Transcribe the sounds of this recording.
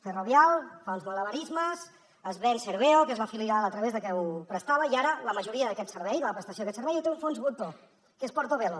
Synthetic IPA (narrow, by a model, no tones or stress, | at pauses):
fəroβjalˠfɔnzmələβəɾizməz | əzβɛnsəɾβeokəzβafiliɾalət̪ɾəβezðəkɛupɾəst̪aβəiaɾələməʒuɾiəðəkɛt̪səɾβɛjðələpɾəst̪əsjoəkɛt̪səɾβɛjut̪euɱfonzβut̪o | kespɔɾt̪oβelo